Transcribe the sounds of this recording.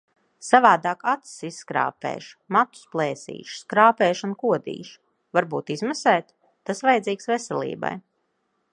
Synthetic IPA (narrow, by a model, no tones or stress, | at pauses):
savaːd̪aːkat̪ssisːkɾa̰ːpɛ̰ːʃmat̪u̥splˠɛːsḭːʃskɾaːpɛːʃunkuɔd̪ḭːʃ | vaɾbuːt̪izmasɛːt̪ː | asvajɛd̪ziːksvɛsɛlʲˠḭːba̰j